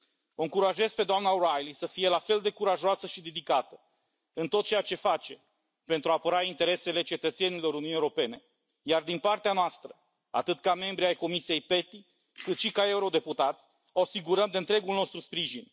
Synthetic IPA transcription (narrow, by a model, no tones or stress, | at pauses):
oɨŋkuɾaʒe̞zpe̞d̪oamnaoɾajlisəfije̞lafe̞ld̪e̞kuɾaʒoasəʃid̪ed̪ikat̪ə | ɨnt̪o̞t̪̚t͡ʃe̞jat͡ʃe̞fat͡ʃe̞ | pe̞nt̪ɾuapəɾaint̪e̞ɾe̞se̞le̞t͡ʃe̞t̪ət̪se̞nilo̞ɾuniunieuɾope̞ne̞ | jard̪inpart̪eanoast̪ɾə | a̰t̪ɨt̪kame̞mbɾiajko̞misije̞jpe̞t̪i | kɨt̪ʃikae̞uɾo̞d̪e̞put̪at̪sʲ | oasiɡuɾəmd̪e̞ɨnt̪ɾe̞ɡulno̞st̪ɾuspɾiʒin